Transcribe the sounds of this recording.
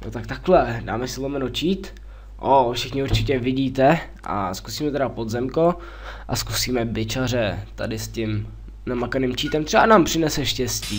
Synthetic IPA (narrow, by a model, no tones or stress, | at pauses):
jot̪ak̚t̪aklɛda̰ːmɛsɪlomɛnot͡ʃiːt̪ | ʔofʃɪxɲɪuɾt͡ʃɪcɛvɪɟiːt̪ɛ | ʔa̰skusiːmɛt̪ɛɾapod̪zɛmko | ʔa̰skusiːmɛbɪt͡ʃar̝ɛt̪a̰dɪscɪm | namakaniːmt͡ʃiːt̪ɛmt̪rɛbanaːmpr̝̥ɪnɛsɛʃcɛsciː